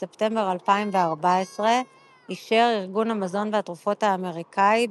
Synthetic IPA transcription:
se̞pte̞mbe̞ʁalpaimve̞aʁbaesʁe̞ | iʃeʁiʁɡunhamazo̞nveatʁufo̞thaːme̞ʁikai

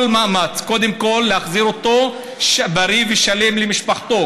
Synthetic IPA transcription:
lmaamat͡sko̞d̪emkolːeaχziʁot̪o̞ | ʃbaʁiveʃale̞mlemiʃpaχt̪o̞

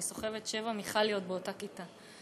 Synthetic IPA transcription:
iso̞χe̞vetʃe̞vamiχalijo̞t̚beo̞takita

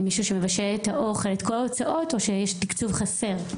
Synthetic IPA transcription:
miʃuʃemevaʃelethaʔo̞χe̞letko̞laot͡saʔo̞to̞ʃejɛʃtikt͡suvχase̞ʁ

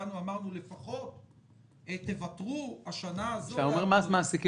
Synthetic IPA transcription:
anuamaʁnule̞faχo̞t̪ | et̪e̞vat̪ʁuaʃanaːzoaomeʁmazmaːsiki

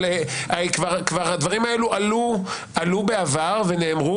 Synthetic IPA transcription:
eakvaʁkvaʁad̪vaʁimae̞luʔalu | alubeavaʁve̞neːmʁu

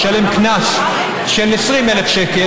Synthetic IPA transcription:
ʃɐlɛmknɐs | ʃɛnːɛsɾiːmɛlɛfʃɛkɪ

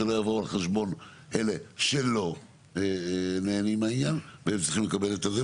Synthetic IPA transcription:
elo̞javo̞alχeʃbo̞n | ʔe̞le̞ʃelo̞ | eneːnimainjanveemt͡s̪ʁ̥iximlekabe̞let̪ade

